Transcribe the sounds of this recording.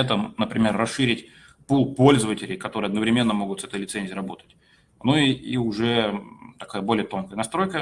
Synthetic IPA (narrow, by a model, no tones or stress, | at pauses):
ɛt̪əmnəpɾʲɪmʲe̞rːɐsʂɨɾʲɪtʲ | pulˠpo̞lʲzəvətʲɪlʲɪjkɐt̪o̞ɾɨɐd̪nəvɾʲɪmʲe̞nːəmo̞ɡʊt̪sɛt̪əjlʲɪt̪sɛnʲzʲijɾɐbo̞t̪ə̥tʲ | nuiʊʐɛt̪ɐkajəbo̞lʲɪjət̪o̞nkəjənɐst̪ɾo̞jkə